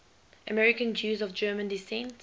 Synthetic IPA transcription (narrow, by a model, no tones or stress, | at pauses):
əmɛɹikə̃nd͡ʒjuːzɔvd͡ʒɜːmə̃ndisɛ̃nt